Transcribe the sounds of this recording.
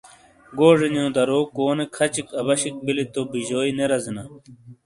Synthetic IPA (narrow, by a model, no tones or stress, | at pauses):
ɡoːʐiɲõːd̪ɐɾoːkoːnekʰɐt͡ɕikɐβɐɕik̚bilit̪obiʑoːineɾɐzina